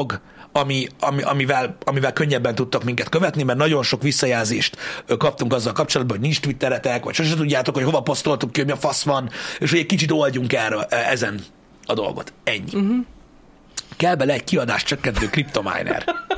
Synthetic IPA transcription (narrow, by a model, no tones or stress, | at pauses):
oɡ | ɒmiɒmiʔɒ̰mivɛlɒmivɛlkøɲːɛbːɛnt̪ut̪ːɒkmiŋkɛt̪køvɛt̪nimɛrnɒɟo̞nʃokʋisːɒjaːlzeːʃt̪kɒp̚t̪uŋkɒzːɒlkɒp̚t͡ʃolɒd̪̚bɒɦoɟnint͡ʃt̪ʋit̪ːɛɾɛt̪ɛkʋɒ̰cʃo̞ʃ̬ɛt̪uɟːaːt̪o̞kho̞co̞vɒpo̞st̪o̞lt̪ukːihoɟmiɒfɒsʋɒneːʃhoɛc̚ʲkit͡ʃit̪o̞lɟuŋkɛrɛzɛn | ɒd̪o̞̰lɡo̞̰t̪ɛɲːḭ | kɛlbɛlɛːckiɒd̪a̰ːʃtt͡ʃøkːɛnt̪øːkɾipt̪o̞ma̰jnɛ̰r